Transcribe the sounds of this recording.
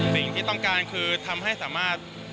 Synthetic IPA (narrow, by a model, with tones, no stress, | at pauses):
si˨˩ŋt̪ʰiː˥˩t̪ɔ˥˩ŋkaː˧nkʰɯː˧t̪ʰa˧mɦa˥˩jsaː˩˦maː˥˩t̪̚